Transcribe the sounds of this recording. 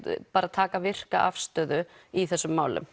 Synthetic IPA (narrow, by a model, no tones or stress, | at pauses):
paːɾat̪ʰaːkavɪr̥kaʔa̰fst̪œːðʏiθɛsːʏmːaːwlʏ̰m